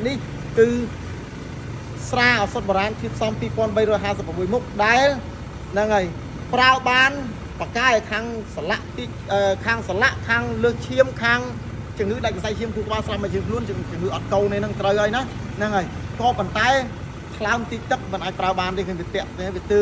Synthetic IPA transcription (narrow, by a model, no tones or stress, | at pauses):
nih | kɨː | sraːʔɔːsot̪̚ɓɔɾaːnt̪ʰiət̪̚sɑmpiːpoənɓəjrɔːjɦaːsəp̚ːramɓuəjmuk̚ɗaɛl | naŋaj | praəɓaːn | pakaɛkʰaːŋsalaʔt̪ic̚ | əkʰaːŋsalaʔkʰaːŋləːht͡ɕʰiəmkʰaːŋ | t͡ɕʊŋɨːɗac̚kasaj̚t͡ɕʰiəmt̪ʰuək̚ɓaːsraːpmət͡ɕʰiəmkʰluənt͡ɕʊŋɨːʔɑt̪̚koːlniːnɨŋt̪rəwʔaəjnahnaŋəːjkɑːpont̪aɛ | t̪ʰlaəmt̪iːc̚t̪ɨk̚mənʔaːc̚praəɓaːnt̪eːkʰəmʋiət̪ɛ̆əʔt̪ːaʋiət̪ɨː